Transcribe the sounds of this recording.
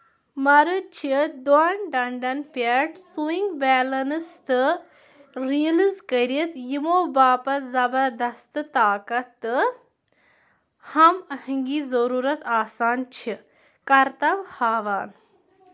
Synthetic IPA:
mɐɾɨt͡ʃʰid̪uaːnɖɐɳɖɐnpɐʈsuiŋɡbɛːlɐnɨst̪ɨ | ɾiɐlizkəɾit̪jimoːbaːpɐzɐbɐɾd̪ɐst̪ɨt̪aːkɐt̪ːɨ | hɐmɐhiŋɡiːzɐɾuːɾɐt̪aːsaːnt͡ʃʰi | kɐɾt̪ɐʋhaːʋaːn

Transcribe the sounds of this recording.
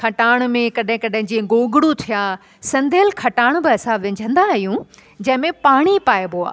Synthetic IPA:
kʰɐʈaːɽ̃mẽkɐɗɦɪ̃kɐɗɦɪ̃ɲd͡ʑeːɡoːɡɪɽut̪ʰija | sɐ̃nd̪ʱelkʰɐʈaːɽ̃bɪɐsãʋɪ̃ɲd͡ʑʱə̃nd̪aɦijũ | d͡ʑɐ̃ɦɪ̃mẽpaːɽ̃ipaːeboa̰ː

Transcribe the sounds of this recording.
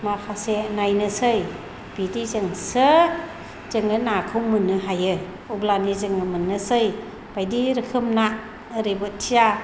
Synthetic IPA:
mapʰasenajnɯsɯj | b̥idizɯŋsɯ | zɯŋɯnakʰɯwmɯnɯɦajɯ | ublanizɯŋɯmɯnːɯsɯj | b̥ajdiɾɯkʰɯmna | ɾebɯttʰːija

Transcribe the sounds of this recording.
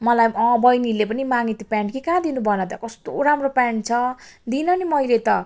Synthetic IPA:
mʌlajʌ̃bʌjnilepʌnimaŋit̪ipjaɳʈkikãd̪inubʱʌnʌt̪ʌkʌst̪oɾamropaɳʈt͡sʰʌd̪inʌnimʌjlet̪ʌ

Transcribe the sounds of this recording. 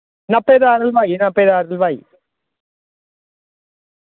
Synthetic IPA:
nɐpːeðaːɾɐlʋaːjnɐpːeðaːɾɐlʋaj

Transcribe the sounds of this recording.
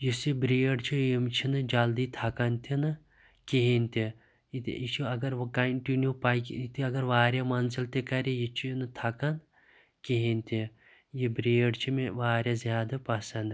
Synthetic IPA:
jisibɾeːɖt͡ʃʰijimt͡ʃʰinɨd͡ʒɐld̪iːt̪ʰɐkɐnt̪ʰʲinɨ | kiɦinʲt̪i | t̪it͡ʃʰiɐɡɐɾʋkɐɳʈinjupajkit̪iɐɡɐɾʋaːɾʲjamɐnzilt̪ekɐɾijit͡ʃʰinɨt̪ʰɐkɐn | kiɦinʲt̪ʰʲi | jibɾeːɖt͡ʃʰimeʋaːɾʲjazjaːd̪ɐpɐsɐnd̪

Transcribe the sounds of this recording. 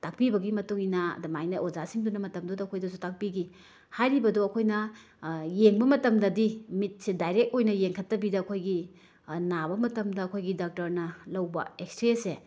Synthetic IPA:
tak̚pibɐɡimɐtuŋinɐɐ̰dɐmajnɐʔozasiŋdunɐmɐtɐmdodɐɐkʰojdɐsutak̚piɡi | hajɾibɐdoɐkʰojnɐ | jeŋbɐmɐtɐmdɐdimit̚sedajɾek̚t̚ojnɐjeŋkʰɐtːɐbidɐːkʰojɡi | nabɐmɐtɐmdɐːkʰojɡidak̚tɐɾnɐlɐwbɐ̰ekstɾese

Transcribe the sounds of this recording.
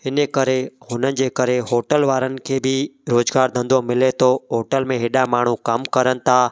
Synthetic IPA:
hɪnəkɐɾehʊnənɪ̆d͡ʑeːkɐɾeɦoːʈəlʋaːɾənɪ̆kʰeːbʱɪɾoːzɡaːɾd̪ʱə̃nd̪omɪlet̪ʰoɦoːʈəlmẽɦeːɗamaːɳ̤ukɐmkɐɾənɪ̆t̪ʰaː

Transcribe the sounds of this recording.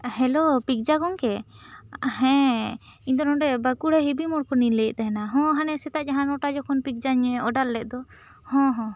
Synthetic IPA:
hɛlopik̚d͡ʒaɡɔŋkɛ | hɛ̃ | iɲd̪ɔnɔ̃ɖɛbəkuɽɛɦibimɔɽkɔniləʔˀt̪aɦɛnaɦɔ̃ɦanɛsɛt̪aʔd͡ʒaɦanɔʈad͡ʒɔkʰɔnpik̚d͡ʒaɲɛɔɖalːɛʔ̚d̪ɔ | hɔ̃ɦɔ̃

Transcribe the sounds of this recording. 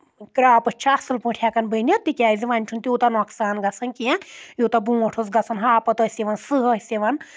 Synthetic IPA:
kɾaːpɐt͡ʃʰasɨlpɨ̃ʈʰjakɐnbənʲɐt̪ːikʲaːizʲiʋɐnʲt͡ʃʰunt̪ʲiuːt̪ɐnoksaːnɡɐt͡sʰɐnkiɛ̃jut̪ɐbũːɐʈʰosɡɐt͡sʰɐnɦaːpɐt̪əsʲiʋɐnsɨɦəsʲiʋɐn

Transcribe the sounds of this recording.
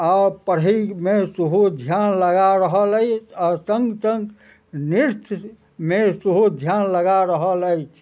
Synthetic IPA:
apəɽ̤imesuɦud̪ʱjanləɡaɾəɦələjt͡ʃʰasəŋɡsəŋɡ | niɾt̪ʰ | mesuɦud̪ʱjanləɡaɾəɦələjt͡ʃʰ

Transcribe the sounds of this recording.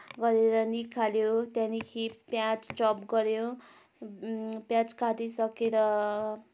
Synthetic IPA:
ɡʌɾeɾʌnikʰaljot̪jãnikʰipjãt͡st͡sʌpɡʌɾjo | pjãt͡skaʈisʌkeɾʌ

